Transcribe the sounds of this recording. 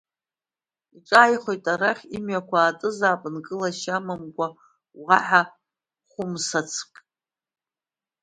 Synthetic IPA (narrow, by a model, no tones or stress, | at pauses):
iʈ͡ʂʷʼaːjχʷo̞jtʼaraχʲimɥakʷʰaːtʼɨzaːpʼɨnkʼɨlaʃamamɡʷa | wʁaħa | χʷʊmsat͡sʰkʼ